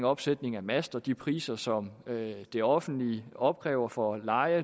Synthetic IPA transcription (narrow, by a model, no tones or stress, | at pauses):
ŋɒ̽b̥sed̥ne̝ŋæmæsd̥ɐd̥ipʰʁḭːsɐsɒ̽mød̥e̝ɒ̽fn̩d̥liɒ̽b̥̚ɡ̥ʁɛ̰ːʊɐfɒ̽lɑ̈ɪə